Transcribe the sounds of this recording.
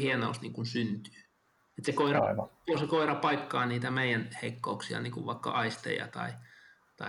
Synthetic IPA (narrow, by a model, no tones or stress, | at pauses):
hieno̰ust̪niːŋkunsynt̪y̥ː | et̪sekoirɑosekoirɑpɑikːɑːnniːt̪æmeijænheikːouksiɑ̰niːŋkuʋʋɑikːɑ̰ʔɑist̪ḛjɑ̰t̪ɑ̰i | t̪ɑi